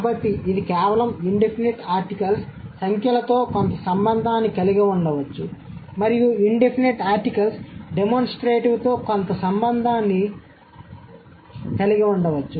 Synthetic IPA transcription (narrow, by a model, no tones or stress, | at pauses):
kaːbɐʈːiːd̪ikɛːʋɐlɐmiɳɖepʰineʈaːɾʈikɐlsːɐŋkʰjɐlɐt̪o̞ːkont̪ɐsɐmbɐnd̪ʱaːnːikɐliɡiuɳɖɐʋɐt͡ʃːumɐɾijuiɳɖepʰineʈaːɾʈikɐlsɖemonsʈɾeːʈiʋt̪o̞ːkont̪ɐsɐmbɐnd̪ʱaːnːi | kɐliɡiuɳɖɐʋɐt͡ʃːu